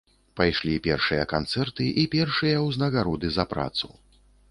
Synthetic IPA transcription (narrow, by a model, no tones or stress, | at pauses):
pajʂlʲipʲɛrʂɨjɐkant̪sɛrt̪ɨʔipʲɛrʂɨjɐwznɐɣaɾɔd̪ɨzɐpɾa̰t̪su